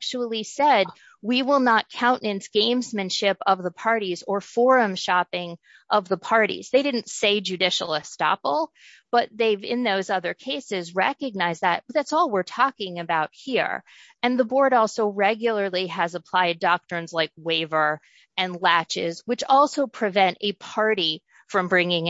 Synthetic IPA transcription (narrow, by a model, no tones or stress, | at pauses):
k̚t͡ʃul̩ˠisɛd̚ | wiwɪlˠnət̚kʰãʊ̃nʔnɨ̃nsɡ̥ẽɪ̃mzmɨ̃nʃɪpʌvðəpʰɑɹɾizə˞fɔɹɨ̃mʃɑpɪ̃ŋ | ʔʌvðəpʰɑɹɾḭz̥ðeɪɾɪdⁿn̩tseɪd͡ʒʉdɪʃl̩ˠəstɑ̰pl̩ˠ | b̥ʌt̪̚ðeɪvɪ̃nðoʊzʌðə˞kʰeɪsɪzɹɛ̰kɨɡ̚naɪzðɨt̚ʌðætsɔlˠwɪɹtʰɔkɪ̃ŋɨbaʊt̚hiɹ | ɨ̃nðəbɔɹɾɔlˠsoʊɹɛɡjl̩ˠə˞lˠiɨzəpʰl̥aɪdɑk̚tɹ̥ɨ̃nzlaɪk̚weɪvə˞ | ɨ̃nlæt͡ʃɪzwɨt͡ʃɔlˠsoʊpʰɹ̥ɨvɛ̃ntɨpʰɑɹɾi | fɹʌ̃mbɹɪ̃ŋɪ̃ŋ